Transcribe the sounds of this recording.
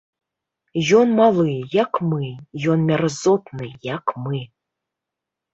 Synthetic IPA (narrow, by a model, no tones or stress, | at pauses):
jɔnmalˠɨjakmɨjɔnmʲarazɔt̪nɨjakmɨ